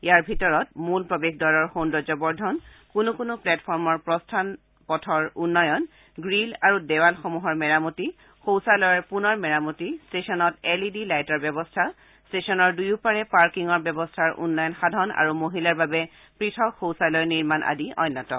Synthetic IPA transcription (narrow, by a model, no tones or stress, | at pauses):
jaɹbʱitɔɹɔt̚mulpɹɔbekdɔɹɔɹxondɔzɔbɔɹdʱɔn | kunukunʊplɛtpʰɔɹmɔɹpɹɔstʰan | pɔtʰɔɹunːɔjɔn | ɡɹilaɹudɛwalxɔmuɦɔɹmɛɹamuti | xowsalɔjɔɹpunɔɹmɛɹamutistesɔnɔtɛlidilajtɔɹbjɛbɔstʰa | stesɔnɔɹdujupaɹɛpaɹkiŋɔɹbjɛbɔstʰaɹʔṵnːɔjɔnxadʱɔna̰ɹumoɦilaɹbabɛ | pɹitʰɔkxowsalɔjɔniɹmanʔa̰diɔ̰jnːɔtɔ̰